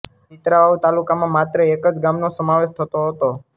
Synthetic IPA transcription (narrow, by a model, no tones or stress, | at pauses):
it̪ɾaʋaut̪alukamãmat̪ɾəekəd͡ʒɡamnosəmaʋeʃt̪ʰət̪oɦət̪o